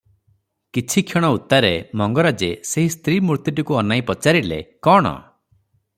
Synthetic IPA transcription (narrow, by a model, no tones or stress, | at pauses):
kit͡ʃʰikʰeɽ̃ɔut̪ːaɾemɔŋɡɔɾad͡ʒeseɦist̪ɾimuɾt̪iʈ̬ikuɔnajpɔt͡ʃaɾilḛkɔɽ̃ɔ̰